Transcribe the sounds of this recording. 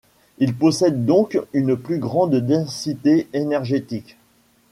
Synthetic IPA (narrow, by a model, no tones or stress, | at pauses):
ilpɔsɛd̪ːɔ̃kynplyɡʁɑ̃d̪d̪ɑ̃sit̪eenɛʁʒet̪ik